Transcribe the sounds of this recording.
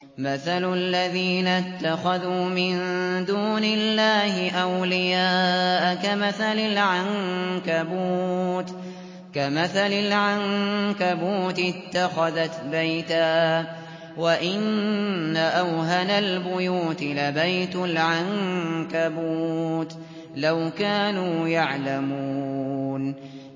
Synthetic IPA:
maθallːaðiːnat̪ːaxaðuːmɪnd̪uːnɪlːaːhɪʔawlɪjaːʔakamaθalɪlʕaŋkabuːt̪ | kamaθalɪlʕaŋkabuːt̪ɪɪt̪ːaxaðat̪bajt̪aː | waʔɪnː | aʔawɦanalbʊjuːt̪ɪlabajt̪ʊlʕaŋkabuːt̪ | lawkaːnuːjaʕlamuːn

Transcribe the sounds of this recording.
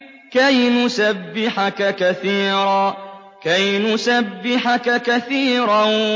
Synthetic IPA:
kajnʊsabːɪħakakaθiːɾaː | kajnʊsabːɪħakakaθiːɾa

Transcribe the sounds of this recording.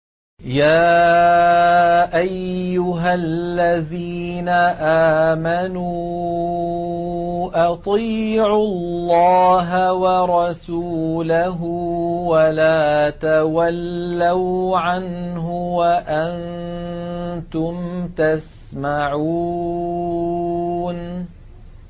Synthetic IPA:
jaː | ʔajːʊɦalːaðiːnaʔaːmanuː | ʔɑt̪ˤiːʕʊlːɑːɦawɑɾˤɑsulaɦʊwalaːt̪awalːawʕanɦʊwaʔan | t̪ʊmt̪as | maʕuː | n

